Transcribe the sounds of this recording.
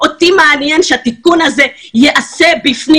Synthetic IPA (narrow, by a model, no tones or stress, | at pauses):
ʔot̪imeanjenʃeat̪ikunaze̞ | jeʔase̞bifni